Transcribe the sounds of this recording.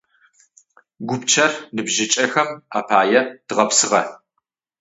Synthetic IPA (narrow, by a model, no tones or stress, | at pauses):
ɡʷʊpt͡ʃʰɐrnɨbʒɪt͡ʃʼɐxɐmaːpʰaːjɛd̥ɨʁɐpsɨʁɐ